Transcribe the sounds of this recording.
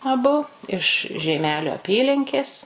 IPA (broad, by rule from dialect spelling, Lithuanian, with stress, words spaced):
ɐˈbʊ ɪʃ ʒʲɛɪˈmʲæːlʲoː ɐˈpʲiːlʲɪŋʲkʲeːs